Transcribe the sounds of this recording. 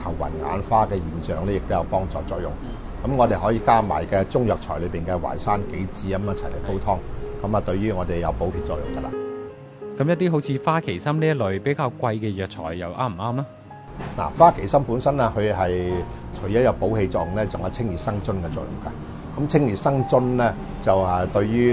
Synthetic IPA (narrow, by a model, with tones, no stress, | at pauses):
k̪ʰɐ˨˩wːɐ̰˨˩nŋa̰ː˨˧nfaː˥kɛː˧jiː˨˩nt͡ʃœː˨ŋlɛː˥jɪ˨k̚t̪o˥wjɐ˨˧wpɔː˥ŋt͡sɔ̰ː˨˧t͡sɔː˧k̚jʊ̰˨˩ŋ | kɐ˨˥mŋɔː˨˧t̪e˨jɦɔ˨˥jiː˧kaː˥ma̰ː˨˩jkɛː˧t͡sʊ˥ŋjœː˨k̚t͡ʃʰɔː˨˩lɵ˨˧piː˨nkɛ˧wa̰ː˨˩jsaː˥nke˨˥jt͡siː˨˥ɐ˨˦mjɐ˥t͡sʰɐ˨˩jle˨˩po˥wt̪ʰɔː˥ŋkɐ˨˥maː˨t̪ɵ˧ɥɥyː˥ŋɔː˨˧t̪e˨jjɐ˨˧wpo˨˥whʰiː˧t̚t͡sɔ̰ː˧˨kjʊ̰˨˩ŋkɐ˧la̰ː˧ | kɐ˨˥mjɐ˥t̪iː˥ɦo˨˥wt͡sʰiː˧faː˥kʰe˨˩jsɐ˥mni˥jɐ˥tlɵ˨˧ɥpe˨˥jkaː˧wkʷɐ˧jkɛː˧jœː˨k̚t͡ʃʰɔ̰ː˨˩jːɐ˨˧wʔaː˥m̩˨˩aː˥mlaː˥ | la̰ː˨˩faː˥kʰe˨˩jsɐ˥mpuː˨˥nsɐ˥nlɛː˥hɵ˨˧ɥɦɐ˨jt͡ʃʰɵ˨˩jɐ˨˥jɐ˨˧wpo˨˥wɦe˧t͡sɔː˧k̚jʊ˨ŋlɛː˥t͡sʊ˨ŋhɐ˨t͡sʰɪ˥ŋjiː˨˩sɐ˥ŋt͡sɵ˥nkɛː˧t͡sɔː˧˨jʊ˨˩ŋka˧ | kɐ˨˦˥mt͡sʰɪ˥ŋjiː˨˩sɐ˥ŋt͡sɵ˥nlɛː˥ | t͡sɐ˨wɐ˨t̪ɵ˧ɥɥyː˥